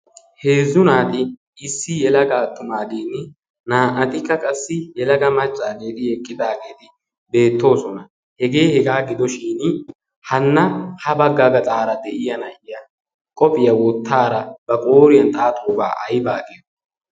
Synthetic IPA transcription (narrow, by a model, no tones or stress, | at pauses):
he̞ːzːʊnaːt̪ɪ | ɪsːɪjɛlɐɡaːt̪ːʊmaːɡ̪eːnɪ | naːʔɐt̪ɪkːɐkʼɐsːɪjɛlɐɡɐmɐt͡ʃʼːaːɡe̞ːt̪ɪjɛkʼːɪd̪aːɡeːt̪ɪ | be̞ːt̪ːo̞ːsɔnɐ | hɛɡe̞ːhɛɡaːɡɪd̪ɔʃiːn | hɐnːɐhɐbɐɡːaːɡɐt͡sʼaːɾɐd̪ɛʔɪjɐnɐʔɪjɐ | kʼɔpʼɪjɐwɔt̪ːaːɾɐb̥ɐkʼoːɾɪjɐnt̪ʼaːt̪ʰoːba̰ːʔɐjbaːɡej